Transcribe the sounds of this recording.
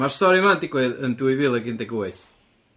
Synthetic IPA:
marstɔɾimandiɡwɛðənduɨvɪlˠəɡɪndɛɡuajθ

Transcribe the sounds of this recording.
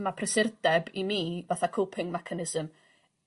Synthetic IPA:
mapʰrɛsɪrdɛbimivaθakʰowpʰɪŋmɛkʰanɪzəm

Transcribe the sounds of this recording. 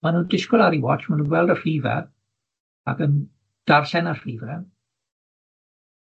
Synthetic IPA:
manundɪskɔlˠaɾiwɔt͡ʃmanuːnwɛlˠdəfiːvɛ̰ | a̰ɡən | d̥arɬɛnarfiːvɛ

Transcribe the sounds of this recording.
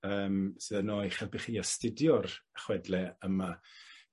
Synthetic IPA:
əːmsɨðənoːɨχalˠbiχiːastɪdjɔraχwɛdlɛəma

